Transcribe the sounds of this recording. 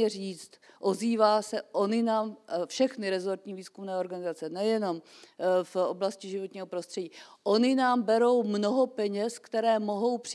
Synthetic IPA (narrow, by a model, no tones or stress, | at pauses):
ɛriːt͡st̪ʔo̞ziːvaːsɛʔo̞ɲɪnaːmfʃɛxnɪɾɛzo̞ɾt̪ɲiːviːskumnɛːo̞ɾɡanɪzat͡sɛnɛjɛno̞mfo̰blascɪʒɪvot̪ɲiːɦo̞pɾo̞st̪r̥ɛɟiːʔo̞ɲɪnaːmbɛɾo̞wmnoɦo̞pɛɲɛskt̪ɛɾɛːmo̞ɦo̞wpr̥